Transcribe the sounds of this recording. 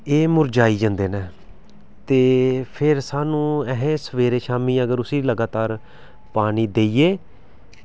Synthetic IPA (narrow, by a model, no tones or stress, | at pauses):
eːmʊɾd͡ʒaːiːd͡ʒə̃nd̪eːneː | t̪eːpʰɪɾsaːnũːɛɦẽːsəʋeːɾeːʃaːmiːəɡəɾʊsiːləɡaːt̪aːɾ | paːniːd̪eːiːeː